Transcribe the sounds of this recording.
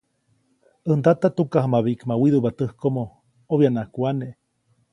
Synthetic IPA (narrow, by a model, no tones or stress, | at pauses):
ənd̪at̪at̪ukahmaβiʔkmawiðuβat̪ɨhkomo | oβjanakʷaneʔ